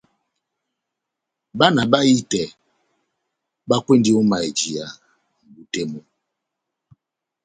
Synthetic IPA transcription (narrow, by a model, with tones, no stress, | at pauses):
ba˦na˨ba˦i˦tɛ˨ | ba˦kwe˦ndi˦ɔ˦ma˨e˨d͡ʒi˨a˨ | m̩˨bu˨te˦mɔ˦